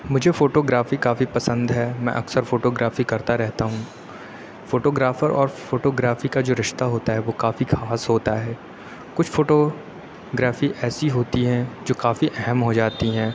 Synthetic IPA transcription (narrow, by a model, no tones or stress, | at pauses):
mʊd͡ʒʱefoːʈoːɡɾaːfikaːfipɐsə̃nd̪ɦɛːmɛ̰̃ʔɐksəɾfoːʈoːɡɾaːfikɐɾt̪aɾɛɦt̪aɦũː | foːʈoːɡɾaːfəɾʔɔ̰ːɾfoːʈoːɡɾaːfikad͡ʒoːɾɪʃt̪aɦoːt̪aɦɛʋoːkaːfixʰaːsɦoːt̪aɦɛː | kʊt͡ʃʰfoːʈoː | ɡɾaːfiʔɛːsiɦoːt̪iɦɛ̃d͡ʒoːkaːfiʔɛɦɛmɦod͡ʒaːt̪iɦɛ̃ː